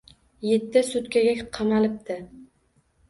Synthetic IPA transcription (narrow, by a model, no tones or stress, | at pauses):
jet̪ːɪsʊt̪kʲaɡʲakʲqʰɑmalɪp̚t̪ɪ